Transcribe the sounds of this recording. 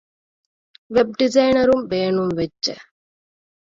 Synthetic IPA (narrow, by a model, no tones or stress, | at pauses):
ʋeb̚ɖɪzɐjnɐɾumʋeːɳumʋɛt͡ʃːɐ̰